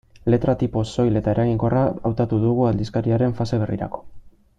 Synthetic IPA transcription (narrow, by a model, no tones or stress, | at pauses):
le̞t̪ɾat̪ipo̞so̞jle̞t̪ae̞ɾaɣiŋko̞raawt̪at̪uðuɣ̞uald̪iskaɾiaɾe̞ɱfase̞β̞e̞rḭɾa̰ko̞̥